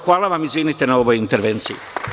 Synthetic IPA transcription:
xʋaːlaʋamizʋiːnit̪enaoʋojint̪eɾʋent̪sii

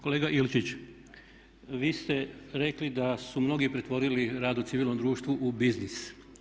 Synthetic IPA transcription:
ko̞leːɡaʔilt͡ʃit͡ɕ | ʋiːst̪e̞ɾe̞klid̪asumno̞ɡipɾe̞t̪ʋo̞ɾiliɾaːd̪ut̪siʋiːlˠnomd̪ɾuːʃt̪ʋuʔubiznis

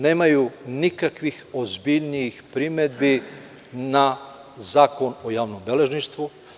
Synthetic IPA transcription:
neːmajunikakʋixozbiʎnijːxpɾimed̪bi | na | zaːko̞nojaːʋnombele̞ʒniʃt̪ʋu

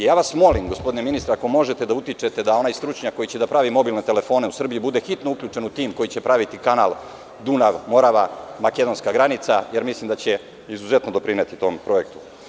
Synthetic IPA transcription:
jaːʋasmo̞limɡospo̞d̪ineminist̪ɾeako̞mo̞ʒe̞t̪e̞d̪aut̪it͡ʂe̞t̪e̞d̪ao̞najst̪ɾut͡ʃɲakːo̞jit͡ɕe̞d̪apɾaʋimo̞bilne̞t̪e̞le̞fo̞ːne̞usr̩bijibud̪e̞xit̪no̞ukʎʲut͡ʂe̞nut̪iːmko̞jit͡ɕe̞pɾaʋit̪ikanaːlˠ | d̪unaʋmo̞ɾaʋamake̞d̪o̞nskaɡɾanit̪saje̞ɾmislimd̪at͡ɕe̞ | izuze̞t̪nod̪opɾinet̪it̪o̞mpɾo̞e̞k̚t̪u̥

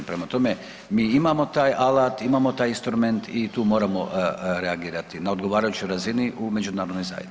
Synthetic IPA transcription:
pɾemat̪o̞me̞ | miːimamo̞t̪aːjalaːt̪imaːmo̞t̪aːjinst̪ɾume̞nt̪it̪uːmo̞ːɾamo̞̰ɾeaɡiːɾat̪inao̞d̪ɡo̞ʋaːɾajut͡ɕojɾaziniʔume̞d͡ʒunaːɾod̪nojza̰ːjḛ

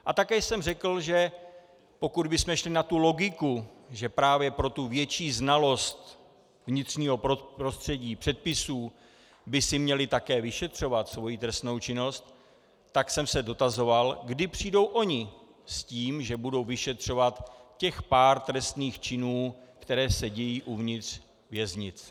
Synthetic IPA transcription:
ʔat̪akɛːsɛmrɛkl̩ʒɛ | po̞kudbɪsmɛʃlɪnat̪uloɡɪkuʒɛpɾaːvjɛpɾo̞t̪uvjɛt͡ʃiːznalo̞st̪ | vɲɪt̪r̝̥ɲiːɦo̞popɾo̞st̪r̥ɛɟiːpr̥ɛt̪̚pɪsuː | bɪsɪmɲɛlɪt̪akɛːvɪʃɛt̪r̝̥o̞vat̪svo̞jit̪ɾɛst̪no̞wt͡ʃɪno̞st̪ | t̪aksɛmsɛdo̞t̪azo̞valɡdɪpr̥iːdo̞wʔo̞ɲɪ | sciːmʒɛbudo̞wvɪʃɛt̪r̝̥o̞vat̪cɛxpaːɾt̪ɾɛst̪niːxt͡ʃɪnuːkt̪ɛɾɛːsɛɟɛjiːʔuvɲɪt̪r̝̥ | vjɛzɲɪt͡s

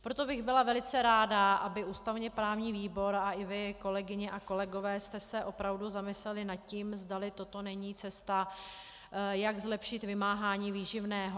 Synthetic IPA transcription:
pɾo̞t̪o̞bɪɣbɪlavɛlɪt͡sɛɾaːdaʔabɪʔuːst̪avɲɛpɾaːvɲiːviːbo̞ɾaɪvɪko̞lɛɡɪɲɛʔako̞lɛɡo̞vɛːst̪ɛsɛʔo̞pɾavduzamɪslɛlɪnat̪̚ciːmzdalɪt̪o̞t̪o̞nɛɲiːt͡sɛst̪a | jaɡzlɛpʃɪt̪vɪmaːɦaːɲiːviːʒɪvnɛːɦo

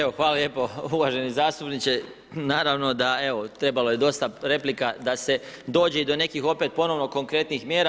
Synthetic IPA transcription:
eo̞xʋaːlalje̞ːpo̞uʋaʒe̞nizaːst̪upnit͡ʃe̞ | naːɾaʋno̞d̪ae̞ʋot̪ɾe̞balo̞je̞d̪o̞st̪aɾe̞plikad̪ase̞d̪o̞ːd͡ʑeid̪o̞ne̞kixo̞pe̞t̪̚po̞no̞ʋno̞ko̞ŋkɾe̞t̪nixmjeːɾa

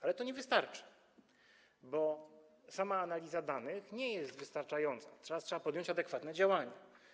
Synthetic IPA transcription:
alɛt̪ɔɲɛvɘst̪aɾt͡ʂɘ̥ | bɔ | samaːnalʲizad̪anɘxɲɛjɛst̪vɘst̪aɾt͡ʂajɔnt̪satʂatʂɛbapɔd̪jɔ̃ɲt͡ɕad̪ɛkfat̪nɛd͡ʑawaɲa

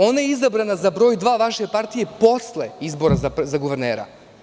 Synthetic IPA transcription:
o̞ːnajeizabɾanazabɾo̞ːjd̪ʋaːʋaʃepaɾt̪ije̞po̞slḛizbo̞ɾazazaɡuʋeɾnḛːɾa̰

